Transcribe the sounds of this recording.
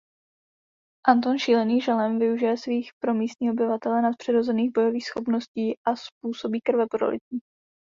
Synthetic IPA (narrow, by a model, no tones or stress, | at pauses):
ʔant̪onʃiːlɛniːʒɛlɛmvɪuʒɪjɛsviːxpɾo̞miːst̪ɲiːʔobɪvat̪ɛlɛnat̪̚pr̥ɛɾo̞zɛniːɣbo̞jo̞viːxsxo̞pno̞sciːʔaspuːso̞biːkr̩vɛpɾo̞̰lɪ̰t̪i